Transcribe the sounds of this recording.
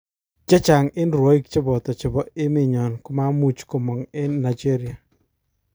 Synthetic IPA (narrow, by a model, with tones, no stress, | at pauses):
d͡ʒɛ˦t͡ʃa˨ŋɪ˦nɾwo˦i˦k̚t͡ʃɪ˦bɔ˨tɔ˨t͡ʃɪ˨bɔ˨ɪ˦mɪ˦˨ɲɔ˨nkʊ˦ma˦mu˦t͡ʃko˨mɔ˨ŋe˦na˨d͡ʒe˦ɾi˨a˨